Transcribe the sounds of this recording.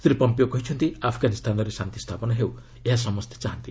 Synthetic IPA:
sɾipɔmpijokɔɦit͡ʃʰɔnt̪iapʰɡanist̪ʰanɔɾesant̪jist̪ʰapɔnaɦew | eɦas̬ɔmɔst̪ʰjeḁt͡ʃaɦant̪i

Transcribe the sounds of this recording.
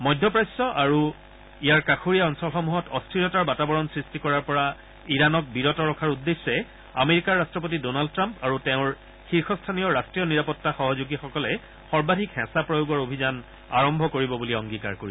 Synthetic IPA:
mɔjdʱːɔpɹajsːɔʔaɹu | ijaɹkakʰuɹijaɔnsɔlxɔmuɦɔtɔstʰɹilɔtaɹbatabɔɹɔnsɹistikɔɹaɹpɔɹa | iɹanɔk̚biɹɔtɔɹɔkʰaɹudːesːɛ | a̰meɹikaɹːastɹɔp̬otidonald̚tɹampaɹutɛʊ̃ɹ | xiɹxʰɔstʰanijɔɹastɹijɔniɹapɔtːaxɔɦɔzuɡixɔkɔlɛ | xɔɹbadʱikhɛ̃sapɹɔjoɡɔɹobʱizan | a̰ɹɔmbʱɔkoɹibɔbuliɔŋɡika̰ɹkoɹiɔ

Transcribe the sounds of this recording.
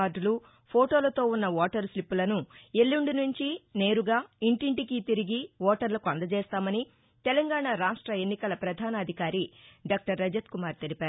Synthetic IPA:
aːɖlu | pʰoːʈo̞ːlɐt̪o̞ːunːɐʋɔːʈɐɾslipːulɐnue̞lːuɳɖinuɲt͡ʃine̞ːɾuɡaːiɳʈiɳʈikit̪iɾiɡiʋɔːʈɐɾlɐkuɐnd̪ɐt͡ʃɛːst̪aːmɐni | t̪ɛlɐŋɡaːɳaɾaːʂʈɾɐe̞nːikɐlɐpɾɐd̪ʱaːnɐːd̪ʱikaːɾiɖaːk̚ʈɐɾːɐd͡ʒɐt̪kumaːɾt̪elipaːɾu

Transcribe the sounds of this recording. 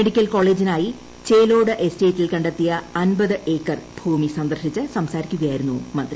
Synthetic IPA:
meɽikʲːɐlko̞ːɭe̞ːd͡ʑinaːji | t͡ɕe̞jlo̞ːɽɨʔesteːtːilkɐɳɖet̪ːijɐɐnbɐðɨʔe̞ːkːɐrb̥ʱuːmisɐnd̪ɐrʂit͡ɕːɨsɐmsaːɾikʲːuɣɐjaːjiɾunːumɐnd̪ri

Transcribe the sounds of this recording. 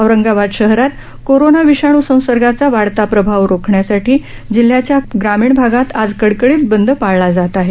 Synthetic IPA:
əʋɾəŋɡaʋad̪ɕəɦɾat̪ | koɾonaʋiɕaɳ̃usə̃w̃səɾɡat͡saʋaɽt̪apɾəbʱaʋɾokʰɳjasaʈiː | d͡ʑil̤ːjat͡ɕjaɡɾamiːɳbʱaɡat̪ad͡zkəɽkəɽiːt͡sbənd̪ʱəpaɭɭad͡zat̪aɦe

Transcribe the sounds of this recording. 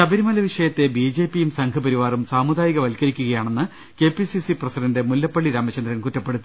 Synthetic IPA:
ɕɐbɐɾimɐlɐʋiʂɐjɐt̪ːe̞bid͡ʑe̞ːpːijumsɐŋkʰɐpɐɾiʋaːrumsaːmud̪aːjɐɣɐʋɐlkɐɾikʲːuɣɐjaːɳe̞nːɨ | ke̞ːpisisiprɐsidɐnde̞mulːɐpːɐɭːiɾaːmːɐt͡ɕːɐnd̪rɐnkutːɐpːe̞ɽut̪ːi

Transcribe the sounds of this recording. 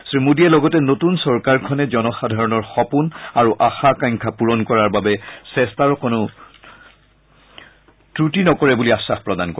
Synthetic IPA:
sɹimudiɛlɔɡɔtɛnotunsɔɹkaɹkʰɔnɛzɔnɔxadʱaɹɔnɔɹxɔpunaɹuʔaxakaŋkʰapuɹɔnkɔɹaɹbabɛsɛstaɹɔkonʊ | tɹutinɔkɔɹɛbuliasaxpɹɔdankɔ

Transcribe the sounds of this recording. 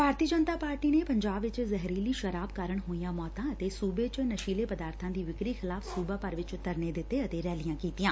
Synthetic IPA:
bʱaːɾt̪iːəd͡ʒənt̪aːpaːɾʈiːneːpəɲd͡ʒaːbʋɪt͡ʃzɛɦɾiːliːʃəɾaːbkaːɾəɳɦoːijãːmɔːt̪ãːət̪eːsuːbeːt͡ʃnəʃiːleːpəd̪aːɾt̪ʰãːd̪iːʋɪkɾiːxʰɪlaːfʰsuːbaːpəɾʋɪt͡ʃʊt̪ːəɾneːd̪ɪt̪ːeət̪eːɾɛːlɪjãːkiːt̪ijãː

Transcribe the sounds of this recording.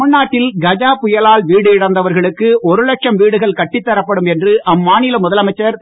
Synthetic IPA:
ʊnːaːʈːɪlɡɐd͡ʒaːpʊjɐlaːlʋiːɽɯɪɽɐnd̪ɐʋɐɾɣɐɭɯkːɯʔɔɾɯlɐk̚ʂɐmʋiːɽɯɣɐɭkɐʈːɪt̪ːɐɾɐpːɐɽɯmɛndrɯʔɐmːaːnɪlɐmʊðɐlɐmɐɪt͡ʃːɐɾ

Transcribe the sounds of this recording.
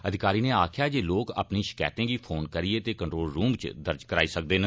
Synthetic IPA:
əd̪ʱɪkaːɾiːneːaːkʰjaːd͡ʒeːloːka̰ːpniːʃɪ̥kɛ̰ːt̪ẽːɡiːpʰoːnkəɾieːt̪eːkəɳʈɾoːlɾuːmt͡ʃd̪əɾd͡ʒkəɾaːiːsək̚d̪eːn

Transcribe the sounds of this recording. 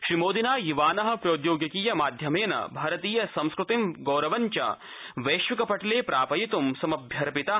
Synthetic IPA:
ʃɾimoːd̪inaːjiʋaːnɐɦɐ̆pɾoːt̪joːɡjɐkiːjɐmaːd̪ʱjɐmeːnɐ̰bʱɐːɾɐt̪iːjɐsɐ̃mskɾut̪imɡoːɾɐʋɐɲt͡ʃɐ̰ | ʋɐːʃʋikɐpɐʈɐleːpɾaːpɐjit̪umsɐmɐbʱjɐɾɐpit̪a

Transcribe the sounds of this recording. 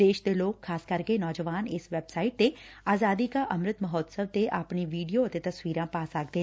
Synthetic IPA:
d̪eːʃd̪eloːkʰːaːskɐɾkenɔːd͡ʒəʋaːnɪsʋɛːbsaːɪʈ̚t̪eaːzaːd̪ikaʔɐmɾɪt̪məɦɔːt̪səb̚t̪eʔaːpɳiʋiːɖijoət̪et̪ɐsʋiːɾãːpaːsaːkd̪eː

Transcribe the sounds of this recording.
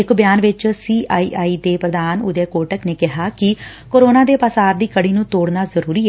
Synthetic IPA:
ɪkbjaːnʋɪt͡ʃsiːʔaːiːʔaːiːd̪eːpɾəd̪aːnʊ̰d̪ɛːkoːʈəkneːkɪɦaːkɪ | koːɾoːnaːd̪eːpaːsaːɾd̪iːkəɽiːnũːt̪oːɽnaːzəɾuːɾiːɛ

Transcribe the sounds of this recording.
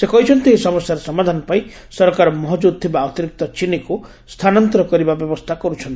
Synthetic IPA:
sekɔɦit͡ʃʰɔnt̪iesɔmɔsjaɾɔsɔmad̪ʱanɔpai | sɔɾɔkaɾɔmɔɦɔd͡ʒud̪̚t̪ʰibaɔt̪iɾik̚t̪ɔt͡ʃiniku | st̪ʰanɔnt̪ɔɾɔkɔɾibabjɔbɔst̪ʰakɔɾut͡ʃʰɔnt̪i

